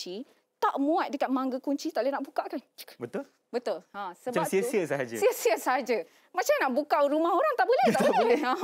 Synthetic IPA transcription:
t͡ʃi | t̪aʔmũat̪̚dəkat̪̚mãŋɡəkuɲt͡ʃit̪aʔlənaʔbukaʔkanbət̪ul | bət̪ulãsəbasiəsiəsəɦad͡ʒəsiəsiəsəɦad͡ʒə | mat͡ʃamnaʔbukaɾumaɦoɾaŋt̪aʔbəleh̪aʔbəledeã

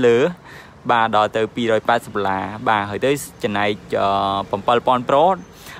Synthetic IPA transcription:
ləːh | ɓaːɗɑlt̪ɨwpiːɾɔːjpaɛt̪səp̚ːlaːɓaːɦaəjt̪ɨwt͡ɕɑmnaɛc̚əːprɑmpəlpŏənproːt̪̚

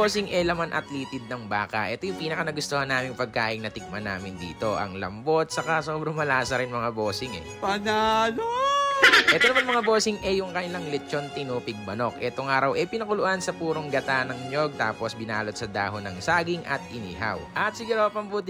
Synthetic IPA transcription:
osɪŋʔɛlɐmanʔɐ̰t̪liːt̪ɪd̪̚nɐŋbaːkɐ̰ʔɛt̪ojʊŋpiːnɐkanɐɡʊst̪ohɐnːaːmɪŋpɐɡ̚kaːʔɪŋnɐt̪ɪk̚mɐna̰ːmɪnd̪ḭːt̪o̞ʔɐ̰ŋlɐ̰mbo̞t̪̚t͡ʃɐkaso̞ːbɾɐŋmɐlaːsɐɾɪnmɐŋaboːsɪŋɛ̰pɐnano | ʔɛːt̪o̞nɐmanmɐŋabo̞ːsɪŋʔɛjʊŋkɐnɪlaŋlɛt͡ʃont̪ɪnuːpɪɡ̚bɐno̞kʔɛːt̪oŋʔaːɾɐwʔɛpɪnɐkʊlʊʔansɐpuːɾoŋɡɐt̪anɐŋɲjo̞ɡ̚t̪aːpo̞sbɪnaːlot̪̚sɐd̪a̰ːɦonɐŋsaːɡɪŋʔɐ̰t̪ʔɪnḭːɦɐ̰wʔɐt̪̚sɪɡuːɾowpɐmbut̪

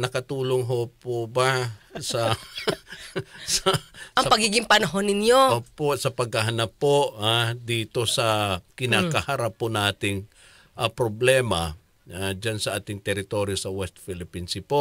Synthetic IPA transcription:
nɐkɐt̪uːloŋɦopobasɐ | sɐɐŋɐpɐɡiːɡɪŋpɐnɐɦonɪnjoʔoːposɐpɐɡ̚hɐɦɐnapːoʔhad̪iːt̪o̞sɐkɪnaːkɐhaɾapːonaːt̪ɪŋ | ʔapɾoblɛːmɐa̰ | ad͡ʒansɐʔaːt̪ɪŋt̪ɛɾɪt̪oɾjosɐwɛst̪̚fɪlɪpinsɪpo

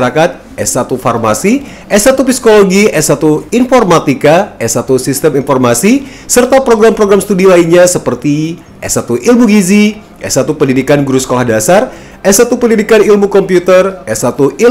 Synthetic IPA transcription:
ɾakat̪̚ | ɛsat̪ufarmasi | ʔɛsat̪upisi̥koloɡiɛsat̪uinformat̪ikaɛsat̪usist̪əminfɔrmasi | sərt̪apɾoɡɾampɾoɡɾamst̪udilainɲasəpərt̪i | ʔɛ̰sat̪uʔilmuɡizi | ʔɛ̰sat̪upəndidikanɡuɾusə̥kolahdasar | ɛsat̪upəndidikanilmukɔmpjut̪ərɛsat̪uʔi

